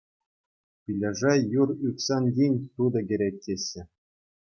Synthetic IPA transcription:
pʲilʲɘʐɑjurykʲsɑnʲjʲinʲt̪ud̪ɤ̆ɡʲɘ̆ɾʲek̚ʲtʲeɕʲːɘ̆

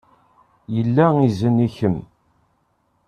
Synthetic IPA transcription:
jəlːæizəniçəm

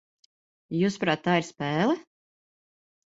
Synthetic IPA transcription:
juspɾaːt̪ːaːiɾspɛːlˠɛ

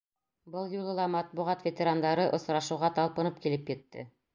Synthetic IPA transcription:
bɤlˠjulˠɤ̆lˠɑmɑt̪̚buʁɑt̪vʲet̪ʲeɾand̪ɑɾɤʔŏsɾɑʃɤ̆wʁɑt̪ɑlˠpɤ̆nɤp̚kilɘpjɘ̆t̪ːɘ̰

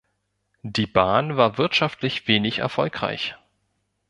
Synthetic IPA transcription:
d̥iːbaːnvaːɐvɪɐtʃaftʰlɪçv̥eːnɪçɛ̰ɐfɔlkʁ̥a̰ɪç

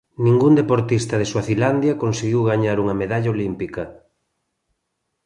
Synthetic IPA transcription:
nĩŋɡund̪epoɾt̪ist̪ɐð̞eswaθiland̪jɐkonseɣiwɣaɲaɾuŋɐmeðaʎaolimpikɐ

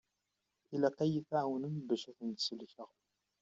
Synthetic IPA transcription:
ilæqæjəθʕawənəmbæʃæθənt̪səlçəʁ

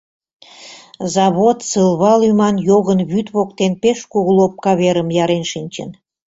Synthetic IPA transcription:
zɑβot̪sɨlβɑlymɑnjoɣənβyt̪βok̚t̪enpeʃkuɣəlˠop̚kɑβeɾəmjɑɾenʃinʲt͡ɕə̰n

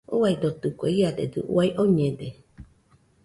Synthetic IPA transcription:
uaid̪ot̪ukʷḛiad̪ed̪ɨ̰ʔṵaiʔoɲẽd̪e

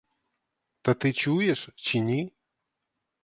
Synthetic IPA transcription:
t̪ɐt̪ɨt͡ʃujɛʂt͡ɕʲinʲi

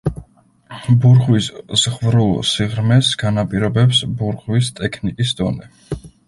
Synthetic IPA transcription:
buɾʁwisz̥ʁvɾulˠsiʁɾmɛsɡ̥anapʼiɾɔbɛpsbuɾʁwist̪ʼɛkʰnikʼisd̪̥ɔnɛ

